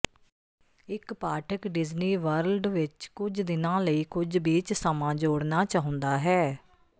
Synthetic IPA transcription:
ɪkpaːʈʰəkɖɪzniːʋəɾəlɖʋɪt͡ʃkʊd͡ʒd̪ɪnãːləiːkʊd͡ʒbiːt͡ʃsəmãːd͡ʒoːɽnaːt͡ʃaːɦʊ̃nd̪aːɦɛː

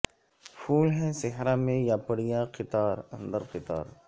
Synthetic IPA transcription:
fʰuːlɦɛ̃sɪɦɾãmẽjapɐɽijãqɪt̪aːɾɐ̃nd̪əɾqɪt̪a̰ːɾ

